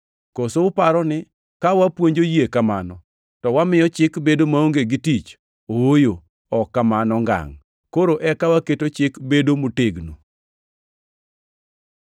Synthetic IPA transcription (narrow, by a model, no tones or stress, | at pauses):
kosoʊpaɾɔnɪ | kawapwoɲd͡ʒojiekamanɔ | tɔwamɪjɔt͡ʃɪkbedomaoŋɡeɡitit͡ʃ | oojo | ɔkːamanɔŋɡa̰ŋ | koɾoʔɛkawaketot͡ʃɪkbedomoteɡno̰